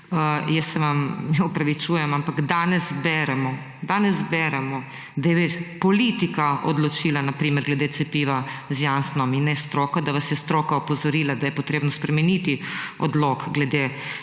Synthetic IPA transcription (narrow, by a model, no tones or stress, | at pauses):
əjɛsːɛʋamɛɔpɾaʋit͡ʃuːjɛmampaɡd̪aːnɛzbɛːɾɛmɔ | d̪aːnɛzbɛɾɛmɔ | d̪ajɛʋepɔlit̪ikaɔ̰d̪lɔt͡ʃiːlanapɾiːmɛɾɡlɛd̪eːt̪sɛpiːʋazjansnɔminːɛst̪ɾoːkad̪aʋasjɛst̪ɾoːkaɔpɔzɔɾiːlad̪ajɛpɔt̪ɾeːbnɔspɾɛmɛnit̪iɔd̪lokɡlɛd̪e